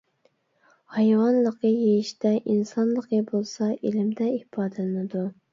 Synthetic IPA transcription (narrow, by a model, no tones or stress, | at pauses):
hɑjwɑnlˠəqʰəjejiʃt̪ɛʔinsɑnlˠəqʰəbolˠsɑʔelɪmd̪ɛhpʰɑːd̪ɛlɨnɪd̪u